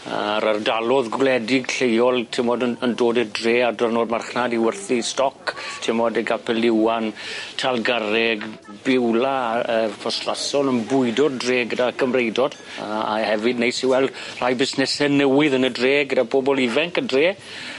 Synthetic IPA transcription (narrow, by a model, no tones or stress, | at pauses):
a̰ɾərdalˠɔðɡwlɛdɪɡɬejɔlˠtʰɪmɔdəəndoːdədreːadɔrnoːdmarχnadiwərθistɔktʰɪmɔdeɡapʰɛlɪwantʰalˠɡaɾɛɡ | bɪwlaəːpʰɔstra̰sɔlənbʊɨdɔddreːɡədakʰəmrejdɔd̥ | aa̰hɛvɨdnejsiwɛlˠdr̥ajbɪsnɛsɛnəwɪðənədreːɡədabobɔlˠɪvɛŋkədreː